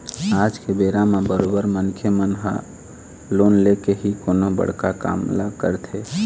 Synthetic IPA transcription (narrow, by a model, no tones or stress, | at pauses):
ad͡ʒkebeɾamebəɾobəɾmənkʰjəmənɦə̰ | lonlekeɦikonobə̰ɽ̤kaka̰mlə̰ɡkəɾt̪ʰe